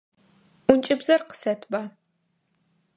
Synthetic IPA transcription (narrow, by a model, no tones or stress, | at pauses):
ʔʷʊnt͡ʃʼɪbzɐrqə̥sɐtʰbaː